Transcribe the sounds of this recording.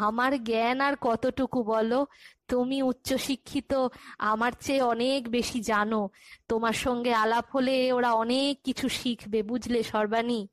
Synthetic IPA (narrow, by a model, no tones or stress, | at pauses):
amaɾɡɛnaɾkɔt̪oʈukubɔlot̪umiutːɕoʃikʰːit̪oamaɾt͡ɕeɔnekbeʃid͡ʑanot̪omaɾʃɔŋɡealabɦoleoɾaɔnekːit͡ɕʰuʃikʰbebud͡ʑʱleʃɔɾbani